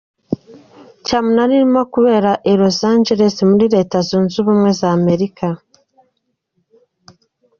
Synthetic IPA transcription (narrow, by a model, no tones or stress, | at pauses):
camunaniɾimakuβe̞ːɾaʔeɾo̞zaːɲd͡ʒeɾe̞simuɾiɾe̞ːtazuːnzuβumŋwe̞zaːme̞ɾika